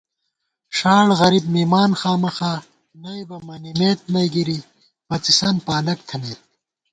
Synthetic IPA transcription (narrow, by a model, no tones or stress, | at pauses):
ʂaːɽɣɐɾibmiːmaːnxaːmɐxaː | nɐjbɐmɐnimeːt̪̚mɐjɡiɾi | bɐt͡sisɐnpaːlɐkt̪ʰɐneːt̪̚